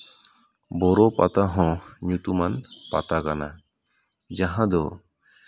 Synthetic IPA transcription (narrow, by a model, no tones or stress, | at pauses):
bɔɾɔpat̪aɦɔ̃ɲut̪umanpa̰t̪akana̰ | d͡ʒaɦãd̪ɔ